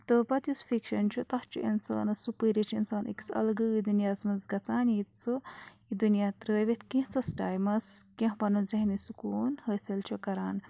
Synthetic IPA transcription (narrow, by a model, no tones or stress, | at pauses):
t̪ɨpɐt̪ʰʲusfʰikʃɐnt͡ʃʰut̪ɐht͡ʃʰuʔḭnsa̰ːnɨsupəːɾit͡ʃʰḭnsaːnʔḭksɐ̰lɡɨid̪unijaːzmɐnzɡɐt͡saːnjit̪t͡sʰu | id̪unjaːt̪ɾəːʋet̪ʰkĩɦt͡sʰɐsʈaːjmɐskẽɦpɐnɐzɐɦnisukuːnhəːselt͡ʃʰukɐɾaːn